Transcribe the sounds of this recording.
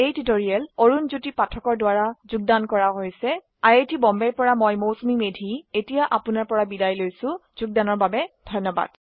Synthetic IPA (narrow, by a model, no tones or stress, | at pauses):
ejtitoɹiɛloɹunzutipatʰɔkɔɹdowaɹazuɡ̚dankɔɹaɦojsɛ | ajetʰibɔmbɛɹpɔɹamɔjmowsumimedʱietijaʔapʊnaɹpɔɹabidajlojsʊ̃zuɡ̚danɔɹbabɛd̥ʱɔjnːɔba̰d̥̚